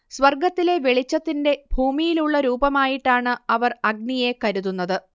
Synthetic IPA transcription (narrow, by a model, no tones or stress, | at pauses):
sʋɐrɡɐt̪ːile̞ʋe̞ɭit͡ɕːɐt̪ːinde̞bʱuːmijiluɭːɐɾuːbɐmaːjiʈːaːɳɨɐʋɐrɐɡnije̞kɐɾuðunːɐðɨ